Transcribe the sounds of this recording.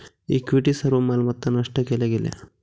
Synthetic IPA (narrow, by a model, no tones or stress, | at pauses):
ikʋiʈisɐɾʋɐmɐːlmɐt̪ːɐnɐʂʈɐkɛleɡilḛ